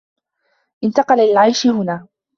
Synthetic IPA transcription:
ʔɪnt̪ɑqɑlalɪlʕajʃɪhʊnaː

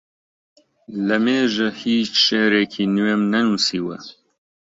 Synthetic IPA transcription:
lɐmeːʒɐhiːt͡ʃʃeːɾeːkʰiːnuwemnɐnuːsiːwɐ̰

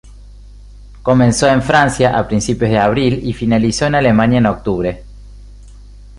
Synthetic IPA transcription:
ko̞mẽnso̞e̞ɱfɾansjaʔapɾinsipjozðeaβɾilifinaliso̞enalemãnjaenok̚t̪uβɾe̞

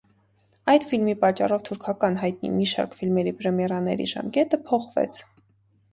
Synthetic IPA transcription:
ɑjd̪filmipɑt͡ʃːɑrɔvt̪ʰuɾkʰɑkɑnɦɑjt̪̚nḭmiʃɑ̰ɾkfilmɛɾipɾɛmɛɾɑnɛ̰ɾḭʒɑ̰mkɛt̪əpʰɔχvɛ̰t͡sʰ

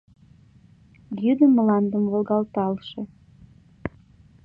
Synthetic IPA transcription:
jyd̪əmlɑnd̪əmvolɣɑlt̪ɑlʃĕ

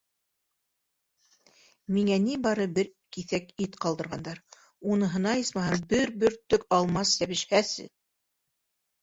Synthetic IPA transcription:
miŋænibɑɾɤbɘɾ | kiθækit̪qɑlˠd̪ɤ̆ɾʁɑnd̪ɑɾ | unɤ̆ɦɤ̆nɑjɤsmɑɦɤbɘɾbɵɾt̪ːɵkɑlˠmɑsːæβɘ̆ʃhæsɘ̰

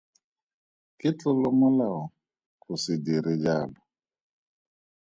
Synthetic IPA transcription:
kɪt͡ɬʊlɔmɔlaɔ | kʊsidiɾɪd͡ʒaːlɔ

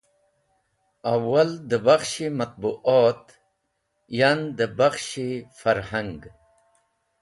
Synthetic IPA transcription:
awald̪əbaxʃemat̪̚buʔot̪ | jand̪əbaxʃefaɾhaŋɡ

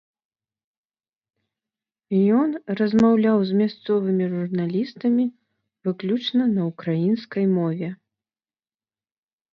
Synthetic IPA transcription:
jɔnrɐzmawlʲawzmʲast̪sɔvɨmʲiʐurnalʲist̪ɐmʲi | vɨklʲut͡ʂnɐnɐukɾajinskɐjmɔvʲɛ

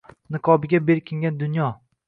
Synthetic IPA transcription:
nɪqʰɒbɪɡʲabe̞ɾkʲʰɪŋɡʲand̪ʊnjɒ

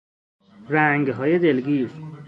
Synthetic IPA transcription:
ɾæŋɡɦɒːjed̪elɡiːs

